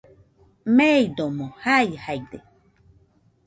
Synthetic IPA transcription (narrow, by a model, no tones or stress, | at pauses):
meid̪omohajhaid̪e